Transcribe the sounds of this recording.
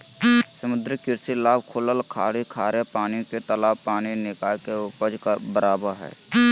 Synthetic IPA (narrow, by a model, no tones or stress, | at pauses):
səmʊd̪ɾəkɪɾsilaːbkʰʊːləlkʰaːɽikʰaːɾepaːnijõket̪əlaːbpaːninɪkaːjkeʊpəd͡ʒkabəɾaːbəɾɦɛ̰ː